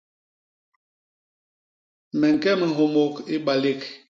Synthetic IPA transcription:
mɛ˨ŋ̩˨kɛ˦mi˨ɦo˨mo˨ki˦ɓa˨le˦˨k

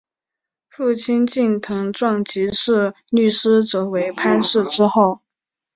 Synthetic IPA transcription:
fu˥˩t͡ɕʰi˥nt͡ɕi˥˩nt̪ʰɤ˧˥ŋʈ͡ʂwɑ˥˩ŋt͡ɕi˧˥ʂɻ̩˥˧ | ny˥˩ʂɻ̩˥ʈ͡ʂɤ˧˥we˧˥ɪpʰa˥nʂɻ̩˥˩ʈ͡ʂɻ̩˥xo˥˩ʊ

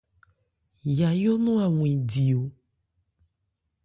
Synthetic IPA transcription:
ja˨jo˦nũ˦a˨ŋũ˨ĩ˨di˨o˨

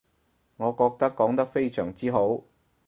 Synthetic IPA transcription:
ŋɔː˨˧kɔː˧k̚t̪ɐ˥kːɔː˨˥ŋt̪ɐ˥k̚fe˥jsœː˨˩ŋt͡siː˥ɦo˨˥w

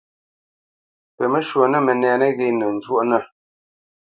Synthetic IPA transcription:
pə˨mə˦ʃwo˨nə˦mə˨nɛː˨nə˦ɣe˦˨nə˨n̩˨d͡ʒwo˦ʔnə˦˨

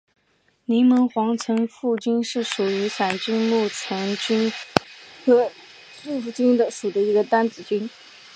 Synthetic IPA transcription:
ni˧˥mə˧˥nxwɑ˧˥ŋt͡sʰə˧˥nfu˥˩t͡ɕy˥nʂɻ̩˥˩ʂu˨˩y˧˥sa˨˩ɪt͡ɕy˥nmu˥˩t͡sʰə˧˥ŋt͡ɕy˥n | xɤ˧˥ | ʈ͡ʂu˥˧fu˥˩t͡ɕy˥nd̪ə˨ʂu˨˩d̪ə˦i˧˥ɡə˧t̪a˥nt͡sɹ̩˨˩t͡ɕy˥n

